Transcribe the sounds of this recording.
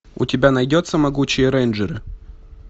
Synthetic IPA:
ʊ̰tʲɪbʲanɐjdʲot̪səmɐɡut͡ɕɪjəɾɛjnʲʐɨɾɨ

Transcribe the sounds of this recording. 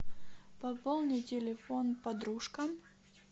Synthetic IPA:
pɐpolˠnʲɨtʲɪlʲɪfonpɐd̪ɾuʂkɐm

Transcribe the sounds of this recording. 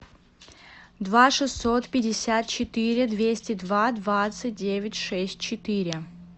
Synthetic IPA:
d̪vaʂɨsːot̪pʲɪdʲɪsʲat̪̚t͡ɕɪt̪ɨɾʲɪd̪vʲesʲtʲɪd̪vad̪vat̪sɨt̚ʲdʲevʲɪtʲʂɛsʲtʲt͡ɕɪt̪ɨɾʲɪ

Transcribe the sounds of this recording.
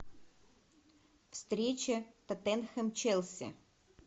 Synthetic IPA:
fst̪ɾʲet͡ɕət̪ɐt̪ɛnxəmt͡ɕɛlʲˠsʲɪ̰

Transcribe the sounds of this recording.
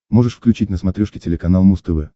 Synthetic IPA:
mo̞ʐɨʂfklʲʉt͡ɕitʲnəsmɐt̪ɾʲoʂkʲɪtʲɪlʲɪkɐnalˠmust̪ɨvɛ̰

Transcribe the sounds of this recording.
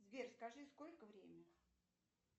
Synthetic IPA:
zvʲerskɐʐɨskolʲkəvɾʲemʲɪ

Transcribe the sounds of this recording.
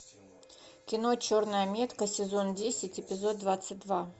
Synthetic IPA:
kʲɪno̞t͡ɕo̞rnəjəmʲe̞t̪kəsʲɪzo̞ndʲesʲɪtʲɪpʲɪzo̞t̪̚ːvat̪sɨt̚ʲd̪va

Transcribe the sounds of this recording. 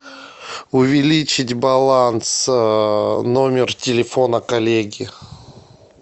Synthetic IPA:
ʊvʲɪlʲit͡ɕɪtʲbɐlˠans | nomʲɪrtʲɪlʲɪfonəkɐlʲeɡʲɪ

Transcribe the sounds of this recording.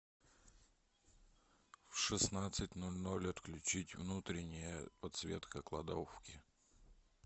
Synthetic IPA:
fʂɨsnat̪sɨtʲnolʲnolʲɐt̪klʲʉt͡ɕitʲvnut̪ɾʲɪnʲɪjəpɐt̪svʲet̪kəklˠɐ̰d̪ofkʲɪ

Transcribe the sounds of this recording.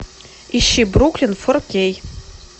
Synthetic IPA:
iʃibrukʰlʲinfɨrkʲej

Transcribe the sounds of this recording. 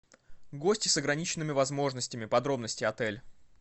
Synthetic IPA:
ɡosʲtʲɪsəɡɾɐnʲit͡ɕɪnːɨmʲɪvɐzmo̞ʐnəsʲtʲɪmʲɪpɐd̪ɾo̞bnəsʲtʲɪjɐt̪ɛlʲ

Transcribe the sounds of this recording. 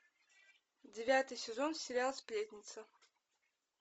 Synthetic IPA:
dʲɪvʲat̪ɨjsʲɪzonsʲɪɾʲalˠsʲpʲlʲet̪ʲnʲɪt̪sə

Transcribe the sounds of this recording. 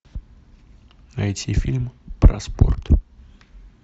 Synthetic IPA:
ɐɛt̪ʲifʲilʲmpɾɐ̰spo̰rt̪

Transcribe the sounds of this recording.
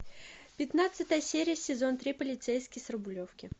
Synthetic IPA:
pʲɪt̪nat̪sɨt̪əjəsʲeɾʲɪjəsʲɪzo̞nt̪ɾʲipəlʲɪt̪sejskʲɪjsərəbʊlʲofkʲɪ

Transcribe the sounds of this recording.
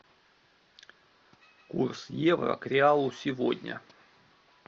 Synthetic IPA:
kṵrsjevrə̰kɾʲɪalˠʊsʲɪvodʲnʲə̰

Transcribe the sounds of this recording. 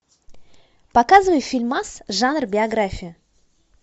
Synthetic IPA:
pɐkazɨvəjʊfʲilʲmasʐanrbʲɪɐɡɾafʲɪjʊ

